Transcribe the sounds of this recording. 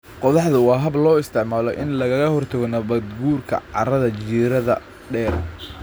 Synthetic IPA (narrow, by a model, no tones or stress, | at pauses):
qɔðɑħðʊwɑːɦɐblɔːɪst̪ʰɪʕmaːlɔʔɪ̰nlɐɣɐɣɐhɔrt̪ʰɐɣɔnɐβɐd̪ɡuːrkʰɐ̰ʕɑ̰ɾɐðɐt͡ʃiːɾɐðɐ | ɖɛːr